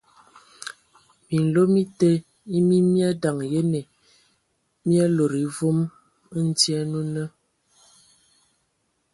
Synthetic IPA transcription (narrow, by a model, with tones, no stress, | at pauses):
mi˨n̩˨lo˦mi˦te˦ | i˦mi˦mja˦da˨ŋje˦ne˨ | mja˦lo˨ɾi˨vu˦m˦ | n̩˦tjɛ˦nu˦nə˦